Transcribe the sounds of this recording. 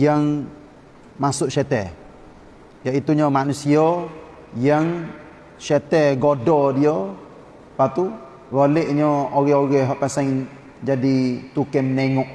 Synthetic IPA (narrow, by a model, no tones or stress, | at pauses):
jaŋ | masʊʔʃɛt̪ɛ | jaʔit̪uɲɔmanusiɔ | jaŋ | ʃɛt̪ɛɡodɔdio | pat̪u | woleʔɲɔoɣɛoɣɛɦɔʔpasaŋ | d͡ʒadit̪ukɛmneŋɔʔ